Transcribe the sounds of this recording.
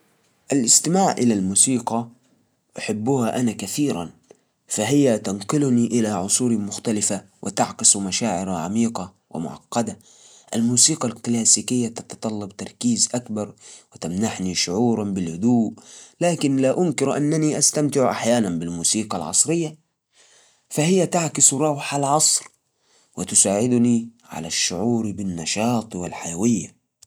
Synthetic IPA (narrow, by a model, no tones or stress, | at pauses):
ʔalʔɪst̪ɪmaːʕʔɪlalmuːsiːqɑ | ʔaħɪbːʊhaʔanakaθiːɾa̰n | faɦɪjːat̪anqɪlniʔɪlaʕʊsˤuːɾimʊxt̪alɪfa | wʔɪ̰t̪a̰ʕkɪsumaʃaːʕɪɾaʕa̰miːqɑ | wɪ̰mʊ̰ʕɑ̰qːɑd̪a | ʔalmuːsiːqɑlklaːsiːkɪjːat̪ɑ̥t̪ɑt̪ˤɑlːɑbt̪ɑɾˤkiːzʔakbɑɾˤwɪt̪amnaħniʃʊʕuːɾˤɑnbɪlhʊd̪uːʔlaːkɪnlaʔʊnkɪɾʔanːaniʔast̪amt̪ɪʕʔa̰ħjaːnanbɪlmuːsiːqɑlʕɑ̰sˤɾɪjːa | fahɪjːat̪aʕkɪsɾˤɑwħalʕɑsˤɾ | wɪt̪ʊsaːʕɪd̪ni | ʕa̰laʃːʊʕuːɾbɪnːɑʃɑːt̪ˤwɪlħajawɪjːa